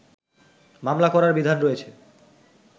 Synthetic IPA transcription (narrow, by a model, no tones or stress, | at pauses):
mamlakɔɾaɾbid̪ʱanɾojet͡ɕʰe